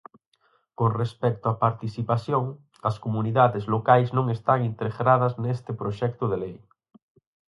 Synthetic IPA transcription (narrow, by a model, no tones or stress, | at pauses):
koŋrespɛk̚t̪oɐpaɾt̪isipaθjoŋ | ɐskomuniðaðɪzlokajznõŋest̪aŋint̪ɾeɣɾað̞ɐznest̪ɪpɾoʃɛk̚t̪ʊðelej